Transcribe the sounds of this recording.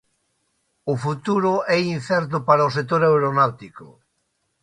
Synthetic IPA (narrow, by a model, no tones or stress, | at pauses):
ʊfut̪uɾʊɛin̟θɛɾt̪̬ʊpaɾaos̬ek̚t̪ːoɾawɾonawt̪ikʊ